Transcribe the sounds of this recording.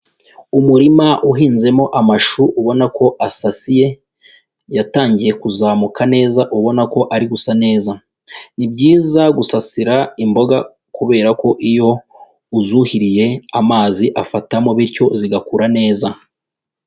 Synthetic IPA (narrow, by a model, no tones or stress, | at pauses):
umuɾimaʔuɦiːnze̞mo̞ʔamaʃuʔuβo̞nako̞ʔasasije̞ | jataːɲɟije̞kuzaːmukʰane̞ːzaʔuβo̞nako̞ʔaɾiɡusane̞ːza | nib̚ɟiːzaɡusasiɾaimbo̞ɡa | kuβe̞ːɾako̞ʔijo̞ | uzuhiɾije̞amaːziʔafatamoβiɾco̞ziɡakuɾane̞ːza